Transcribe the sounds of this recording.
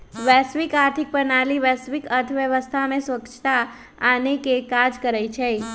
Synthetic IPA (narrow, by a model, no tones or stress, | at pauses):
ʋɛsʋikaɾt̪ʰik̚pənaliʋɛsʋikəɾt̪ʰʋjəʋəst̪ʰamẽsʋəkt͡ʃʰt̪a | anekekad͡ʒkəɾajt͡ʃʰe